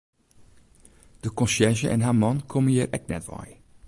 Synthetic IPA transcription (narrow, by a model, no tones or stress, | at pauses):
d̥əkɔ̃nsɛrʒəʔɛ̰nɦaːmɑnkʰomənjiːɾʔɛ̰k̚nɛ̰tʋɛ̰j